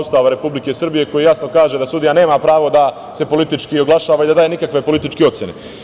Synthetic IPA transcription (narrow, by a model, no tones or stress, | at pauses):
ust̪aːʋaɾe̞publike̞sr̩bije̞ko̞jijasno̞kaːʒe̞d̪asud̪ijane̞ːmapɾaːʋo̞d̪a | se̞po̞lit̪it͡ʃkio̞ɡlˠaʃaːʋaid̪ad̪aːjenikakʋe̞polit̪it͡ʃkeo̞t̪sjene